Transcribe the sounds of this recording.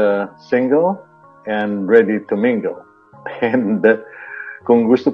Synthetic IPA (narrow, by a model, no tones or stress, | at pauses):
əsɪ̃ŋɡəl | ɛ̃nɹɛditumɪ̃ŋɡəlˠ | ɛ̃ndɛt̚kɔ̃ŋɡust̪u